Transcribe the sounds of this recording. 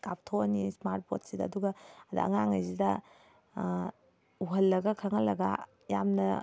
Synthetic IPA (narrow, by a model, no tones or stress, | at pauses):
kaptʰowɐnismaɾt̚potsidɐːduɡɐɐdɐ̰ɐ̰ŋaŋɐjzidɐ | uɦɐlːɐɡɐkʰɐŋɐlːɐɡɐ̰ | ja̰mnɐ